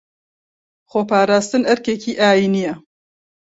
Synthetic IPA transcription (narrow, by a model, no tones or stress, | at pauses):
xoːpaːɾaːst̪ɨnɐɾkekʰiːʔaːjinijɛ